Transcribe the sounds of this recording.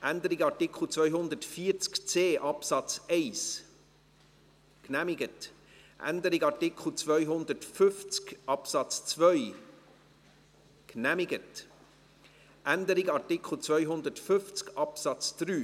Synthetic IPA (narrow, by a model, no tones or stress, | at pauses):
ʔænd̪əɾɪɡɑtɪkʰl̩t͡svœʏɦʊnd̪əɾtfiːɾt͡skt͡seːʔɑpsɑt͡sɛɪs | knæmɪɡət | ʔæ̰nd̪əɾɪɡɑɾtɪkʰχl̩ˠt͡svœʏɦʊnd̪əɾtfʏft͡skʔɑpsɑt͡st͡svœʏ | knæmɪɡət | ʔænd̪əɾɪɡɑtɪkʰχl̩ˠt͡svœʏɦʊnd̪ətfʏft͡skɑpsɑt͡sd̪̥ɾyː